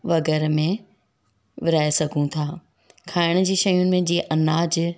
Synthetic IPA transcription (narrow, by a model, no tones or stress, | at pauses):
ʋɐɡɛːɾmẽ | ʋɪɾaːesɐɡʱũt̪ʰaː | kʰaːɪɽ̃d͡ʑiːʃɐjʊnɪ̆mẽd͡ʑiːʔɐnaːd͡ʑ